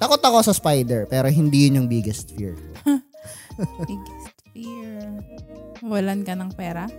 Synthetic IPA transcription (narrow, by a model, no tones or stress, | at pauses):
t̪ɐkot̪ːɐko̞sɐspajd̪ɛɹpɛːɾoɦɪnd̪iːjʊnʊŋbɪɡɛst̪̚fḭɹ | bɪɡst̪fiɹ | wɐlankɐnɐŋpɛːɾɐ